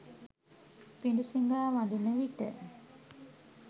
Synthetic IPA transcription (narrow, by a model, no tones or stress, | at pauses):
piɳɖusiŋɡaːʋaɳɖinəʋiʈə̰